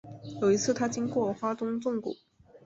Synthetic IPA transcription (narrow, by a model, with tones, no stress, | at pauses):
jo˨˩ʊi˧˥t͡sʰɹ̩˥˩t̪ʰa˥t͡ɕi˥ŋkwɔ˥˩xwa˥t̪ʊ˥ŋt͡sʊ˥˩ŋkṵ˨˩˦